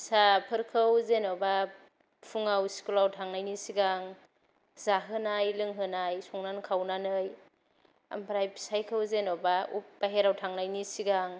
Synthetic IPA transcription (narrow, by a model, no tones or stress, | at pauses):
sapʰɯɾkʰɯwzenɔba | pʰuŋawsi̥kulawtʰaŋnajnisiɡaŋ | zaɦɯnajlɯŋɦɯnajsɔŋnankʰawnanɯj | a̰mpʰɾajpʰi̥sajkʰɯwzenɔbaṵp̚b̥aɦeɾawtʰaŋnajnisiɡaŋ